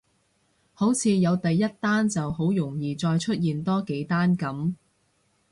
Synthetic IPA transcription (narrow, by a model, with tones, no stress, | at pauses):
ho˨˥wt͡sʰiː˨˧jɐ˨˧wt̪ɐ˨jːɐ˥t̚t̪aː˥nt͡sɐ˨wɦo˨˥wjʊ˨˩ŋjiː˨t͡sɔː˧jt͡ʃʰɵ˥t̚jiː˨nt̪ɔː˥ke˨˥jt̪aː˥nkɐ˨˥m